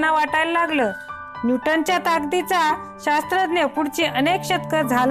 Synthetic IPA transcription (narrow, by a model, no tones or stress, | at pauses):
naʋaʈajləlaɡləː | nuʈəɲt͡ɕjat̪aɡd̪it͡sa | ɕast̪ɾəd̪njepuɽt͡ɕiʔənekɕət̪kəd͡zʱal